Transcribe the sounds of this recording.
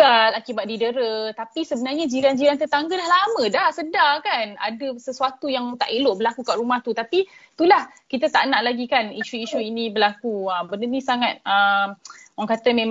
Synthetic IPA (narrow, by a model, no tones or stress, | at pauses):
alakibat̪̚didəɾət̪apisəbənarɲad͡ʒiɾand͡ʒiɾant̪ət̪aŋɡəlahlamə̃dasədakana̰dəsəsuat̪ujaŋt̪a̰ʔiloʔbəlakukaʔɾumaht̪ut̪apit̪ulahkit̪at̪aʔnaʔlaɡikaniʃuiʃuinĩbəlakuəmbəndənisaŋat̪̚əmwaŋkat̪əmẽ